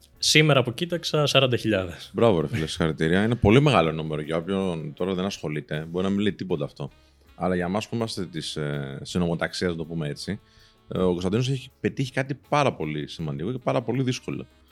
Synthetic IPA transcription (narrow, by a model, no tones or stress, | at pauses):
simeɾɐːpo̞cit̪ɐksɐsɐɾɐnd̪ɐçiʎɐðesbɾɐvoɾefilɐst̪i̥xɐɾit̪iɾiɐine̞po̞lime̞ɣɐlo̞numeɾoʝɐo̞pço̞nt̪o̞ɾɐðenɐsxo̞lit̪e̞bo̞ɾinɐminleit̪ipo̞t̪ɐːft̪o̞ | ɐlɐʝɐmɐspuimɐst̪et̪issino̞mo̞t̪ɐksiɐznɐt̪opumee̞t͡si | oko̞s̬t̪nd̪inos̬eçipe̞t̪içi̥kɐt̪ipɐɾɐpo̞lisimɐnd̪iko̞ce̞pɐɾɐpo̞liðisko̞lo̰